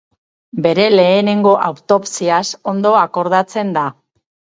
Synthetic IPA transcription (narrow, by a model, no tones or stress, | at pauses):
be̞ɾe̞le̞ːne̞ŋɡo̞ʔawt̪o̞psiaso̞nd̪o̞ako̞ɾðat͡se̞nd̪a